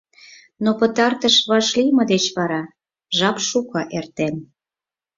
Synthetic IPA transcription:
nopə̆t̪ɑrt̪əʃβɑʃlimɤ̆d̪et͡ɕβɑɾɑ | ʒɑpʃukɑʔert̪en

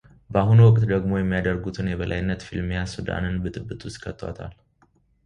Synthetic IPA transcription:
bəaɦunwɔkʼt̪d̪əɡmo̞jɛmːijad̪əɾɡut̪ʰɨnjɛβəlʔa̰jɪnːət̪filmejasud̪a̰nɨnbɨt̪ʼɨbːɨt̪ʼwʊst̪kʰət̪ʰʼːwa̰t̪ʰa̰l

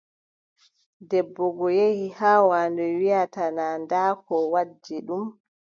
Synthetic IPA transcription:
dɛbːɔɡɔjehihaːwaːndɔwijatanaːndaːkɔwad͡ʒːiɗum

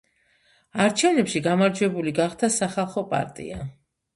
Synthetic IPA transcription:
aɾt͡ʃʰɛvnɛpʃiɡamaɾd͡ʒwɛbuliɡaχd̪ʰasaχalˠχɔpʼa̰ɾt̪ʼḭa

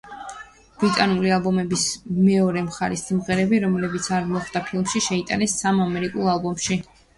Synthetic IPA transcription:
b̥ɾit̪ʼanulialˠbɔmɛbismɛɔɾɛmχaɾist̪imʁɛɾɛbiɾɔmlɛbit̪sʰaɾmɔχd̪apʰilˠmʃiʃɛit̪ʼa̰nɛsːamamɛɾikʼulˠalˠbɔmʃi

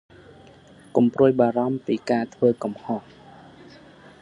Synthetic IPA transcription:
kumpruəjɓaːɾɑmpiːkaːt̪ʰʋəːkumhoh

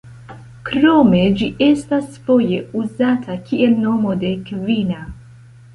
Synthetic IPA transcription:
kɾo̞me̞d͡ʒiʔe̞stasfo̞je̞uzatʰakiʔe̞lno̞mo̞de̞kvina

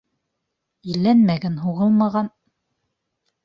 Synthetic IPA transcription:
ilːænmæɡænɦuʁɤlˠmɑʁɑn

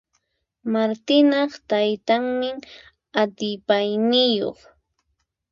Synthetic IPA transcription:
maɾt̪ɪnɑχt̪ajt̪aŋmɪŋ | at̪ɪpajnɪjo̰χ

